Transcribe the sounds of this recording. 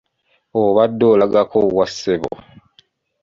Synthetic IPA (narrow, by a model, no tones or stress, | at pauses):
oβadːolaɡakowaseβo̰